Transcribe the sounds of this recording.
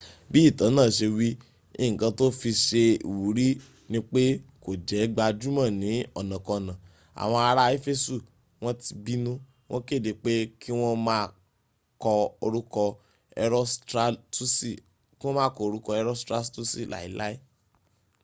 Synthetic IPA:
bi˦i˦˨tã˨˦nãː˦˨ʃe˧wi˦ | ḭ̃˦˨kã˧to˦fi˧ʃe˧i˨wu˨˦ɾi˦ | nĩ˦k͡pe˦ko˨d͡ʒɛ˨˦ɡ͡ba˧d͡ʒu˦mã˦˨nĩ˨˦ɔ˦˨nã˨kɔ˧nã˨ | a̰˨w̃ɔ̃˧a˧ɾa˦e˦fe˦su˦˨ | w̃ɔ̃˦ti˧bi˦nũ˦ | w̃ʔɔ̃˦ke˦˨de˨k͡pe˦ki˦w̃ɔ̃˦mã˦ | kɔ˧o˧ɾu˦kɔ˧ | ɾ | u˦si˦˨ | ki˦wɔ̃˦mãː˦kɔ˧o˧ɾu˦kɔ˧ɛ˧ɾɔ˦stɾa˦stu˦si˦˨la̰˨i˨˦la˦i˦

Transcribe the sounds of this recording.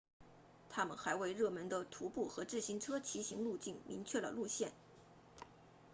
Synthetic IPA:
t̪ʰa˥mə˨nxa˧˥ɪwe˥˧ɪɻɤ˥˩mə˧˥nd̪ə˧t̪ʰu˧˥pu˥˩xɤ˧˥ʈ͡ʂɻ̩˥˩ɕi˧˥nʈ͡ʂʰɤ˥t͡ɕʰi˧˥ɕi˧˥ŋlu˥˧t͡ɕi˥˩ŋmi˧˥ŋt͡ɕʰɥɛ˥˩lə̰˩lu˥˧ɕjɛ˥˩n

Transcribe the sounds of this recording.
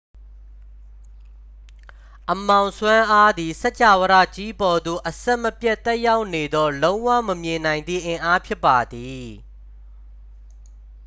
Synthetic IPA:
ʔəmã˨ʊ̃sʰwã˦ʔa˦d̪i˨sɛ˦ʔt͡ɕa˦˨wə˨ɾa̰˦˨t͡ɕi˦bɔ˨d̪o̰˦˨ʔəsɛ˦ʔməpjɛ˦ʔt̪ɛ˦ʔja˦ʊʔne˨d̪ɔ˦lõ˦ʊ̃wä̰˦˨məmjɪ̃˨nã˨ɪ̃nd̪ḭ˦˨ʔɪ̃˨ʔa˦pʰjɪ˦pːa˨d̪i˨

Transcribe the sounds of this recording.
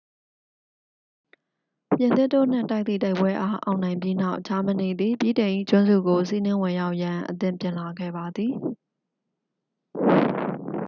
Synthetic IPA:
pjɪ̃˨nt̪ɪ˦tːo̰˦˨n̥ɪ̰̃˦˨nta˦ɪt̪ḭ˦˨ta˦ɪpwɛ˦ʔa˦ʔã̰˨ʊ̃nã˨ɪ̃mpji˦na˦ʊʔt͡ɕa˦mə˨ne˨d̪ði˨pji˦tẽ˨ʔḭ˦˨t͡ɕʊ̃˦nzu˨ɡo˨sḭ˦nɪ̃˦wɛ̃˨ja˦ʊʔjã˨ʔət̪ɪ̰̃˦˨mpjɪ̃˨la˨ɡɛ̰˦˨ba˨d̪ði˨

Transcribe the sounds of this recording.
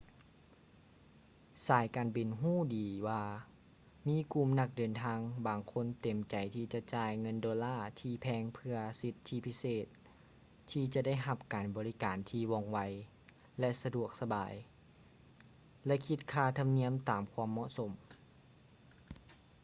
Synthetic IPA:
saː˨˦jkaː˨nbi˨˩nɦuː˥˩˨diː˨˩waː˧ | miː˧˥˨ku˧˩mna˧k̚dɤː˨˩nt̪ʰaː˧˥ŋbaː˨˩ŋkʰo˧˥˨nt̪e˨˩mt͡ɕa˨˩jt̪ʰiː˧t͡ɕa˧t͡ɕaː˧jŋɤ˧˥˨ndɔː˨laː˥˩t̪ʰiː˧˩pʰɛː˧˥ŋpʰɯ˧ɐsi˧t̪ʰːiː˧pʰi˧˥seː˧˩t̪̚ | t̪ʰːiː˧t͡ɕa˧da˥˩jɦa˧p̚kaː˨˩nbɔː˨li˦˥kaː˨˩nt̪ʰiː˧wɔː˧ŋwa˧˥j | lɛ˧˥ʔsa˧du˧˩ək̚sa˧ba̰ː˨˩j | lɛ˧ʔkʰi˧˥t̪̚kʰaː˧˩˨t̪ʰa˧mni˧˥əmt̪aː˨˩mkʰwa˧˥mːɔ˧ʔso˨˦m

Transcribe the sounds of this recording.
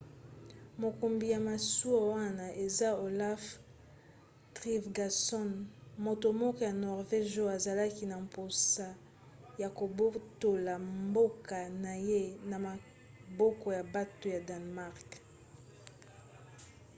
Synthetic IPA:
mo˨ko˨mbi˨ja˨ma˨su˦a˦wa˦na˨ʔe˨za˦o˨la˦f | tʁi˦vɡa˨sɔ˦nmo˨to˨mɔ˦kɔ˦ja˨nɔ˨ʁve˦ʒo˦a˨za˨la˦ki˦na˨mpo˨sa˨ | ja˨ko˨bo˦to˨la˨mbo˦ka˨na˨je˦na˨ma˨ | bo˦kɔ˨ja˨ba˦to˨ja˨da˨nma˦˨ʁk

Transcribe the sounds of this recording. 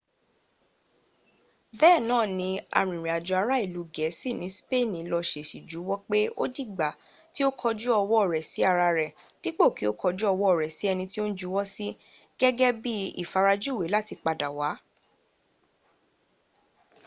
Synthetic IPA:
bɛː˦˨nãː˦˨nĩ˧a̰˧ɾ̃ĩ˨ɾĩ˨a˨d͡ʒɔ˧a˨˧˦ɾa˦i˦˨lu˨˦ɡɛ˨˦si˦˨nĩ˨˦spe˦˨nĩ˨˦lɔ˧ʃe˨ʃi˨d͡ʒu˨˦wɔ˦k͡pe˦o˦di˦˨ɡ͡ba˨ | ti˦o˦kʰɔ˧d͡ʒu˦ɔ˧wɔ˦ɔ˦˨ɾɛ˨si˨˦a˦˧ɾa˧ɾɛ˨ | dĩ˦k͡po˦˨ki˨˦o˦kʰɔ˧d͡ʒu˦ɔ˧wɔ˦ɔ˦˨ɾɛ˨si˨˦ɛ˧nĩ˧ti˦o˦ñ̩˦d͡ʒu˦wɔ˦si˦ | ɡ̥ɛ˦ɡɛ˦bi˦ḭ˦˨fa˧ɾa˧d͡ʒu˦˨we˨˦la˦˨ti˧k͡pa˧da˨wa˨˦

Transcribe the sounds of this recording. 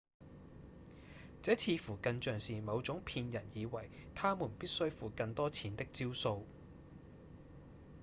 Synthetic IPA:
t͡sɛː˨˥t͡sʰiː˨˧fuː˨˩kɐ˧nt͡ʃœː˨˩ŋsiː˨mɐ˨˧wt͡sʊ˨˥ŋpʰiː˧njɐ˨˩njiː˨˧wɐ˨˩jt̪ʰaː˥muː˨˩npiː˥t̚sɵ˥ɥfuː˨kɐ˧ŋt̪ɔː˥t͡sʰiː˨˥nt̪ɪ˥k̚t͡siː˥wso˧w

